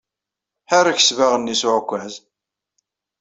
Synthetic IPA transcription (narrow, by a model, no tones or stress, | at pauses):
ħaɾaç̥svaʁənːisʊʕkʷːæz